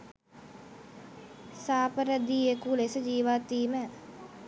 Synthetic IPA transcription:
saːpəɾəd̪iekulesəd͡ʒiːʋat̪ːiːmə

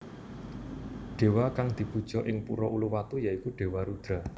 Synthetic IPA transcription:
ɖ̥e̤wakaŋd̪̥i̤pud̥ʒ̥ɔ̤ʔɪŋpṵɾɔʔuluwat̪ujaikuɖ̥e̤waɾud̪̥ɾa̤

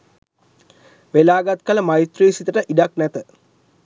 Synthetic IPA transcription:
ʋelaːɡat̪kələmajt̪ɾeːsit̪əʈəʔiɖaknæt̪ə

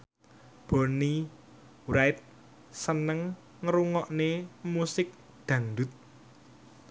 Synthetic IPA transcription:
b̥o̤ni | wɾajt̪̚ | sənəŋː | əɾuŋɔʔnemusɪk̚ | d̪̥ä̤ŋd̪ʊt̪̚

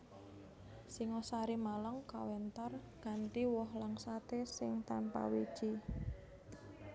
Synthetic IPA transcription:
siŋosaɾimalaŋkawɛnt̪arɡ̥a̤nt̪iwɔhlaŋsat̪esɪŋt̪anpa̰wid̥ʒ̥i

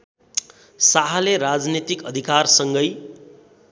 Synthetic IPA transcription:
saɦaleɾad͡znit̪ikʌd̪ʱikarsʌŋɡʌj

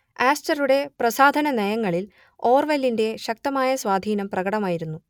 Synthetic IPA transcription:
aːstɐruɽe̞prɐsaːd̪ʱɐnɐnejɐŋːɐɭil | o̞ːrʋɐlːinde̞ɕɐk̚t̪ɐmaːjɐsʋaːd̪ʱiːnɐmprɐɣɐɽɐmaːjiɾunːu

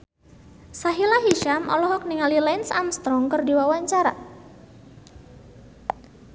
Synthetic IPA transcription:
saɦilaɦiʃamʔɔ̰lɔɦɔk̚niŋalilɛnsamst̪ɾɔŋkərdiwawaɲt͡ʃaɾa̰

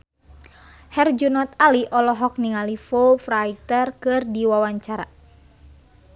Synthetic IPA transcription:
hɛrd͡ʒunɔt̪̚aliʔɔlɔɦɔk̚niŋalifofɾait̪ərkɨrdiwawaɲt͡ʃaɾa̰

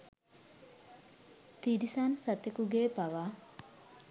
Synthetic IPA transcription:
t̪iɾisansɐt̪ekuɡeːpaʋaː

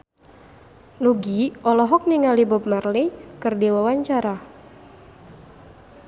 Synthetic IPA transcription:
nuɡiʔɔlɔɦɔk̚niŋalibɔb̚marlikɨrdiwawaɲt͡ʃaɾa

